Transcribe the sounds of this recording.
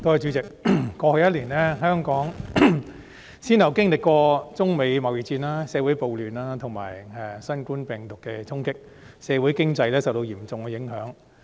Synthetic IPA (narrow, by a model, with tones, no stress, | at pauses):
t̪o˥hɐ˨jt͡ʃyː˨˥t͡sɪ˨k̚kɔː˧hɵ˨˧jɐ˥t̚liː˨˩nlɛː˥ɦœː˥ŋkɔː˨˥ŋ | siː˥nɐ˨˩wkɪ˥ŋlɪ˨kʷɔː˧t͡sʊ˥ŋme˨˧jmɐ˨˩wji˨˩t͡siː˧naː˥sɛː˨˧wu˨˥jpo˨wlyː˨˩naː˥t̪ʰʊ˨˩ŋma̰ː˨˩jɛ˧sɐ˥nkuː˥npɛː˨ŋt̪ʊ˨kːɛ˧t͡sʰʊ˥ŋkɪ˥k̚ | sɛː˨˧wuː˨˥jkɪ˥ŋt͡sɐ˧jlɛː˥sɐ˨wt̪o˧wjiː˨˩mt͡sʊ˨ŋkɛ˧jɪ˨˥ŋɦœː˨˥ŋ